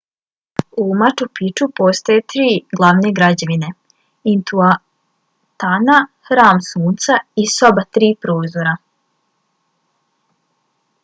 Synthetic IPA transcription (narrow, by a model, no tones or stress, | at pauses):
umat͡ʃupit͡ʃupo̞st̪ojet̪ɾiːɡlˠaʋneɡɾad͡ʑaʋine̞ | int̪ua | t̪anaxɾaːmsuːnt̪saiso̞bat̪ɾiːpɾoːzoɾa